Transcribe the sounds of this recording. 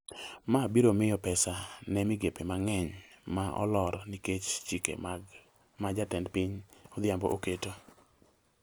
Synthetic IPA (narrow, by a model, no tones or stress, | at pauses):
mabiɾomɪjɔpɛsanɛmɪɡepemaŋɛɲmaʔɔ̰lɔɾniket͡ʃt͡ʃikḛm | mad͡ʒatɛndpɪɲɔd̪jambɔ̰ʔoketo